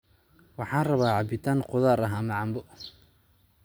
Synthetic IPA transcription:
wɑħɑːnrɐβaːʕɑbɪt̪ʰaːnqʊðaːɾɐɦːmɐʕɑmbʊ

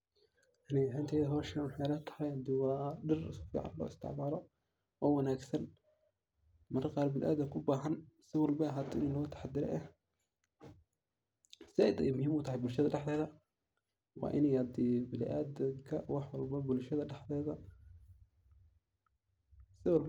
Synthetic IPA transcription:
ʔaniħaːnt̪ʰɛːðɐɦɔːʃɐnwɑħɛjlɐt̪ʰɐ̥hɐjhɐd̪ɪwɑːɖɪrɪsfḭːʕɑ̰nlɔ̰ːɪst̪ʰɪ̰ʕmaːlɔ | ɔːwɑnaːɡsɐn | mɐrqɑːɾbɪlʔa̰ːd̪ɐkʰʊbaːɦɐnsɪwɑlbɐɦɐd̪ɪɪnlɔːt̪ʰḁħɑd̪ɪɾɛ̰ʔɛh | sɪɛjd̪ɛ̰jmʊhiːmʊt̪ʰɐɦɛjbʊlʃɐðɐɖɛħd̪ɛːðɐ | wɑ̰ːʔɪnɛjhɐd̪ibɪlɪʔaːd̪ɐkʰɐwɑħwɑlbɐbʊlʃɐðɐɖɛħðɛːðɐ | sɪwɑlb

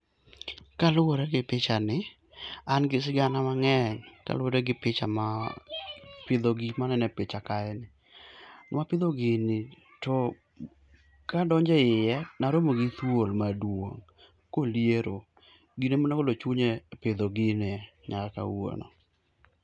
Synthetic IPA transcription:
kalʊoɾɛɡɪpɪt͡ʃanɪ | anɡɪs̬ɪɡanamaŋɛɲka̰lʊoɾɛɡɪpɪt͡ʃa̰ma | pɪd̪oɡimanɛnɛpɪt͡ʃakaɛnɪ | nwapɪd̪oɡɪnɪ | tɔ | kadɔɲd͡ʒɛɪjɛnaɾomoɡɪt̪wolmadwo̰ŋ | kolijeɾo | ɡinemonakolot͡ʃuɲepɪd̪oɡɪnɪɲakaka̰wo̰nɔ̰

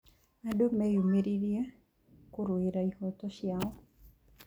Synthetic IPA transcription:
adomejumeɾiɾje | kuɾweɾaihɔtɔʃjaɔ

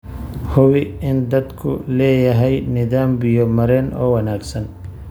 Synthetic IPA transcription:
hʊwɪɪnd̪ɐd̪kʰʊ̰lɛːjɐɦɛjnɪðaːmbɪjɔmɐɾɛːnʔɔ̰ːwɐnaːɡsɐn

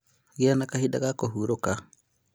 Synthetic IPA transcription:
ɣianakahida̰ɣakoɦuːɾoka

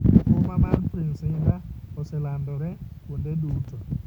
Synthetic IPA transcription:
komamanpɾinsɪŋɡaɔsɛlandɔɾɛkundeɗuːtɔ

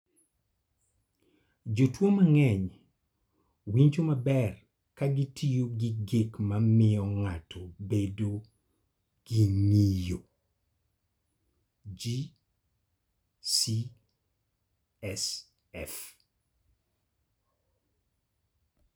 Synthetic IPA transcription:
d͡ʒotwomaŋɛɲ | wiɲt͡ʃomabɛr | kaɡitʰijoɡiɡekmamɪɔŋatʰobedo | ɡ̥iɲijo | d͡ʒi | si | ɛs | ɛf

